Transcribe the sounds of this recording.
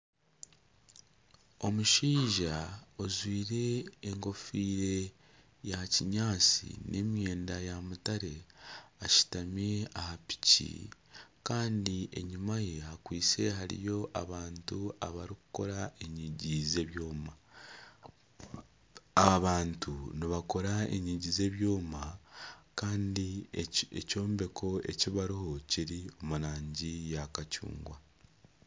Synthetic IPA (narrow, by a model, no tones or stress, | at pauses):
o̞muʃiːʒaozwiːɾe̞ːŋko̞fiːɾe̞ | jaciɲaːt͡sḭnʔe̞̰mje̞ːndajamutaɾe̞aʃi̥tameahapi̥cḭkaːndiʔe̞̰ɲimaje̞hakwiːt͡se̞ɦaɾḭjo̞ʔaβaːntua̰βaɾiku̥ko̞ɾaeɲiɟize̞βjo̞ːma | aβaːntuniβako̞ɾaḛɲiɟize̞βjo̞ːmakaːndiḛco̞ːmbe̞kʰo̞e̞̰ciβaɾiho̞ciɾio̞muɾaːɲɟijakacṵːŋɡwa